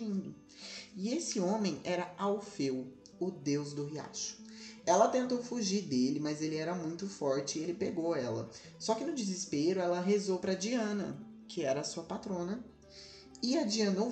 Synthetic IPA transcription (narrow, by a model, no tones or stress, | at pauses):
ĩnd̪ʊ | ɪesɪõmẽj̃ʔɛɾɐawfew | ʊd̪ewzd̪ʊɦia̰ʃʊ̥ɛlɐt̪ẽnt̪owfuʒiɾd̪elɪmɐzelɪɛɾɐmũj̃t̪ʊfɔɾt͡ʃɪelɪpeɡowɛlɐ̰ | sɔkɪnʊd͡ʒɪzɪspeɾʊɛlɐɦezowpɾɐd͡ʒiɐ̃nɐ̰ | kʰɪɛɾɐːsuɐpat̪ɾõnɐ | ɪɐd͡ʒiɐ̃no